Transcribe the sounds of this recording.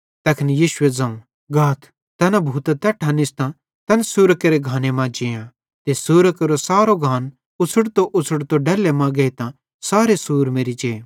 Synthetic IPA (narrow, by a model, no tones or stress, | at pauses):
t̪ɐkʰnjiːʃʊed͡zɐ̃ũ | ɡʱaːt̪ʰ | t̪ɛːnãbʱuːt̪t̪ɛːʈʰãnɪst̪ã | t̪ɛːnsuːɾəkeɾeɡʱãːnemãd͡ʒɪjã | t̪esuːɾəkɐɾosaːɾoɡʱãːn | ʊt͡sʰʊɽt̪oʔʊt͡sʰʊɽt̪oɖɛːlemãɡeit̪ã | saːɾesuːɾmeːɾit͡ʃeː